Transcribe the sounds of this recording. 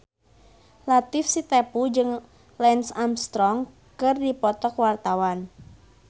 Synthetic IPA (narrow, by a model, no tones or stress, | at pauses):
lat̪ɪfsit̪ɛpud͡ʒɨŋ | lɛnsamst̪ɾɔŋ | kɨrdipɔt̪ɔkwart̪awan